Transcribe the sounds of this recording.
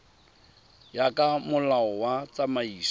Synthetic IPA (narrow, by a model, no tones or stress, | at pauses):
jakʼamʊlaɔwat͡samaiːs